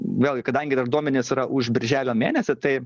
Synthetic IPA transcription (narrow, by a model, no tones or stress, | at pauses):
ʋʲeːlˠɡʲɪkɐd̪ɐŋʲɡʲɪd̪ɐrd̪uɔmʲɛnʲɪsɪɾɐʔʊʃbʲɪɾʲʒʲæːlʲoːmʲḛːnʲɛsʲɪt̪ɐɪ